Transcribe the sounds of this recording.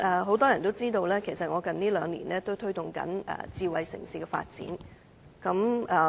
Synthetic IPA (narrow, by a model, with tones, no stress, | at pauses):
ʔɛː˨˧ɦo˨˥wt̪ɔː˥jɐ˨˩nt̪o˥wt͡siː˥t̪o˧wlɛː˥kʰe˨˩jsɐ˨t̚ŋɔː˨˧kɐ˨nniː˥lœː˨˧ŋlḭː˨˩nlɛː˥t̪o˥wt̪ʰɵ˥ɥt̪ʊ˨ŋkɐ̰˨˥nɛ̰ː˨t͡siː˧wɐ˨jsɪ̰˨˩ŋsiː˨˧kɛː˧fa̰ː˧t̚t͡sḭː˨˥n | kɐ˨˥mɛ˨˩